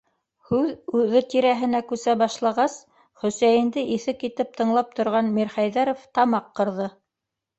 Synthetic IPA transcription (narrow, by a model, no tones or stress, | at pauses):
hʉðʉðɘt̪iɾæɦɘ̆nækʉsæbɑʃlˠɑʁɑs | χɵ̆sæjɘ̆nd̪ɘʔiθɘkit̪ɘp̚t̪ɤ̆ɴlˠɑp̚t̪ŏɾʁɑnmiɾχæjðæɾoft̪ɑmɑqːɤ̆ɾðɤ